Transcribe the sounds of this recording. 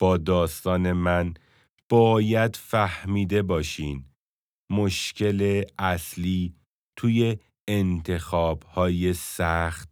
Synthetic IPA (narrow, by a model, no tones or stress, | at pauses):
b̥ɒːd̪ɒːst̪ɒːne̞mæn | b̥ɒːjæd̪fæhmiːd̪e̞bɒːʃiːn | moʃcʰe̞leæsliː | t̪ʰuːje̞ː | nt̪ʰe̞xɒːbhɒːjesæxt̪̚